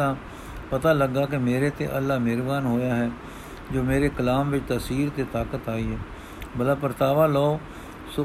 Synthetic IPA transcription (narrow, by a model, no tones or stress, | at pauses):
ãː | pət̪aːləɡːaːkɪmeːɾeːt̪ḛːʔəlːaːmɪɾbaːnɦoːjaːɦɛː | d͡ʒoːmeːɾeːkəlaːmʋɪt͡ʃt̪əsiːɾt̪eːt̪aːkət̪aːiːɦɛː | bəlaːpəɾt̪aːʋãːlɔːo | sʊ